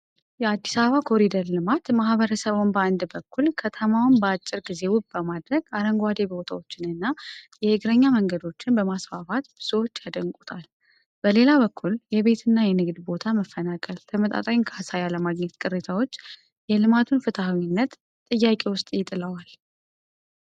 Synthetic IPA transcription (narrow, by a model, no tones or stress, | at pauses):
jɛad̪ːisaβəβakʰo̞ɾid̪əɾlɨmat̪mahβəɾəsəβonbəand̪bəkʰːulkʰət̪ʰəmawʊnbəat͡ʃʼːɪɾɡize̞wubbəmad̪ɾəɡaɾəŋɡʷad̪e̞bo̞t̪ʰawo̞t͡ʃːɪnɨnːajɛɪɡɾəɲːaməŋɡəd̪o̞t͡ʃːɪnbəmasfafat̪bɨsəwo̞t͡ʃːjad̪əŋkʼut̪ʼal | b̥əle̞laβəkʰːuljɛβe̞t̪ʰɨnːajɛnɨɡd̪bo̞t̪ʰaməfːənakʼəlt̪ʰəmət̪ʼa̰t̪ʼainkʰasajaləmaɡɲɛt̪kʼɨɾet̪ʰawo̞t͡ʃː | jɛlɨmat̪ʰunfɨt̪ʰawinːət̪ | t̪ʼɨjːakʼe̞wʊst̪ʼjɪt̪ʼɨləwal